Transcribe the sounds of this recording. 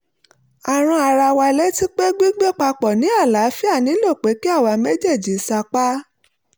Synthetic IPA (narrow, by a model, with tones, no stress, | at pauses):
a˨ɾ̃ũ˧a˧˨ɾa˧wa˧le˨˦ti˦k͡pe˦ɡ͡bi˦ɡ͡be˦k͡pa˧k͡pɔ˨nĩ˨˦a˦˨la˨˦fi˦a˦˨nĩ˨˦lo˦˨k͡pe˨˦ki˦a˦˨wa˧me˦d͡ʒe˦˨d͡ʒi˨˦sa˧k͡pa˦